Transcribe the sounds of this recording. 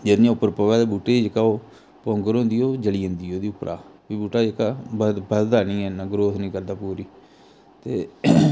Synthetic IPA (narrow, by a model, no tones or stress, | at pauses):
d͡ʒedniãːʊpːəɾpoɡaːt̪eːbuːʈeːiːd͡ʒɪkaːoː | põːŋɡəɾõːnd̪iːoːd͡ʒəliːə̃nd̪iːoːd̪iːʊpɾʔa̰ːbiːbuːʈaːd͡ʒɪkabbəd̪d̪aːnĩːɛnaːɡɾoːsnĩːkəɾd̪aːpuːɾiː | t̪eː